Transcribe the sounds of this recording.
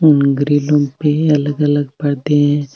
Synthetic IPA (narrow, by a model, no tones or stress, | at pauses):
ʊŋɡɾilõpeɐləɡɐləɡpɐɽd̪eɦɛ̃ː